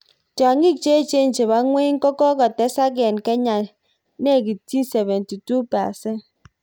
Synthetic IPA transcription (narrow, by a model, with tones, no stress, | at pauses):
t͡ʃa˨ŋi˦k̚t͡ʃe˦t͡ʃe˦n̩˨t͡ʃe˨ba˨˦ŋʷwe˦ŋ̩˦kɔ˦kɔ˦kɔ˨tɛ˦sa˦ɡɛ˨nkɛ˦ɲa˨ | ne˦˨ɡi˨ti˦sɛ˨vɛ˨nti˨tu˦pa̰˨se˦